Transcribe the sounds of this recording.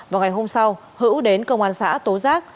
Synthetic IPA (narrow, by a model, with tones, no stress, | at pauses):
vaː˨˩wŋa˨˩jɦo˧msa˧w | hɨ̰˧˥wɗe˨˦nkə˧wŋ͡mʔaː˧˩nsa̰ː˧˥t̪o˨˦zaː˦˥k̚